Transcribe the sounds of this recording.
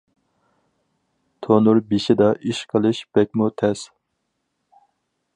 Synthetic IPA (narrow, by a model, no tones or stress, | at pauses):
t̪ʰonuɾbiʃɪd̪ɑʔiʃqʰəlˠɨʃb̥ɛk̚ʲmut̪ʰɛs